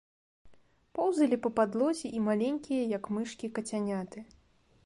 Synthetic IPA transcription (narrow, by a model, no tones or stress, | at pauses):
pɔwzɐlʲipɐpad̪lˠɔzʲiʔimalʲenʲkʲijɐjɐkmɨʂkʲikɐt͡sʲanʲat̪ɨ